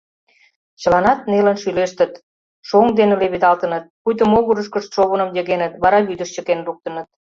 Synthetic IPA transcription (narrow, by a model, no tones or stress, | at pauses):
t͡ɕə̆lɑnɑt̪nelənʃyleʃt̪ə̆t̪ | ʃoŋd̪enuleβid̪ɑlt̪ə̆nət̪̚pujt̪əmoɣuɾəʃkə̆ʃt̪ʃoβənə̆mjə̆ɣenət̪βɑɾɑβyd̪əʃt͡ɕəkenruk̚t̪ə̆nə̆t̪̚